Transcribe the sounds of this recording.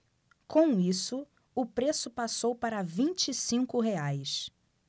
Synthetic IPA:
kõw̃isʊ | ʊpɾesʊpasowpaɾɐvĩnt͡ʃːsĩŋkʊɦeajs

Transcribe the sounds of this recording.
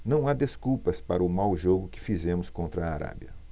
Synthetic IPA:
nɐ̃w̃ad̪eskuwpɐspaɾɐʊmawʒoɡʊkɪ̥fizẽmʊskõnt̪ɾɐːɾa̰bjɐ̰

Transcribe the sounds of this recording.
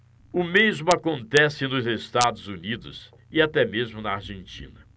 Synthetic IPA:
ʊmezmʊakõnt̪ɛsɪnʊzest̪ad̪ʊzunid̪ʊ̰s | ɪat̪ɛmezmʊnɐaɾʒẽnt͡ʃḭ̃nɐ

